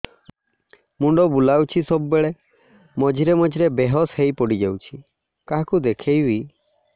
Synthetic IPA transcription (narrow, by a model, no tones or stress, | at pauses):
muɳɖɔbulawt͡ʃʰisɔbɔbeɭe | mɔd͡ʒiɾemɔd͡ʒiɾebeɦɔshejpɔɽid͡ʒawt͡ʃʰi | kaɦakud̪ekʰejbi